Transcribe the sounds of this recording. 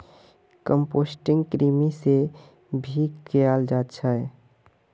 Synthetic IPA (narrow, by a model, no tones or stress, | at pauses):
kəmposʈɪŋɡkɾimise | bʱikkejald͡ʒat̪t͡ʃʰəj